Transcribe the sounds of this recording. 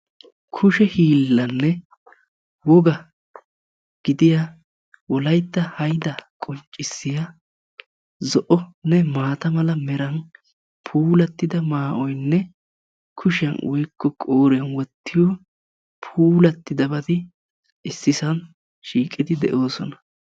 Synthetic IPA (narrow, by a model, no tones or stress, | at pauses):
kʰʊʃɛhiːlːɐnːɛ | wɔɡɐ | ɡ̥ɪd̪ɪja | wɔlɐjt̪ːɐhɐjd̪ɐkʼɔnt͡ʃʼːɪsːɪja | zɔʔɔnɛmaːt̪ɐmɐlɐmɛɾɐn | pʰuːlɐt̪ːɪd̪ɐmaːʔɔjnːɛ | kʰʊʃɐnwɔ̰jkːɔkʼoːɾɛnwɔt̪ːɪjɔ | pʰuːlɐt̪ːɪd̪ɐbɐd̪ɪ | ɪsːɪsɐn | ʃiːkʼɪd̪ɪd̪ɛ̰ʔo̞ːsɔnɐ̥